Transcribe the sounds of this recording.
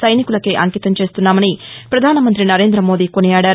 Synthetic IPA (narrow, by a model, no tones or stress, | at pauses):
sɐjnikulɐkiʔɐŋkiːt̪ɐmt͡ʃe̞ːst̪unːaːmɐnipɾɐd̪ʱaːnɐmɐnt̪ɾinɐɾe̞ːnd̪ɾɐmo̞ːd̪iːko̞nijaːɽaːɾ